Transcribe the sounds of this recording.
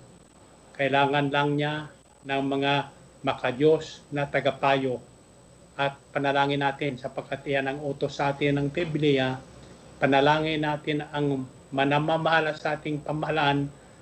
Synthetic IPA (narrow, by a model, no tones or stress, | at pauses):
kɐʔɪlaːŋɐnlɐŋɲa | nɐŋmɐŋa | mɐkɐd͡ʒo̞snɐt̪ɐɡapaːjo | ʔɐt̪̚pɐnɐlaːŋɪnːaːt̪ɪnsɐpɐɡ̚kʰːat̪ʔɪjanɐŋoːt̪osːɐʔaːt̪ɪnɐŋpɪblɪja | pɐnɐlaːŋɪnːaːt̪ɪnɐŋ | mɐnamamɐhalɐsɐʔaːt̪ɪŋpɐmɐhalaʔan